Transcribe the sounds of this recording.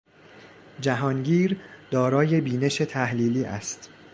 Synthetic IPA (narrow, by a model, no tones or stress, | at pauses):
d͡ʒæɦɒːnɟiːɾd̪̥ɒːɾɒːje̞biːne̞ʃe̞t̪ʰæhliːliːʔæ̰st̪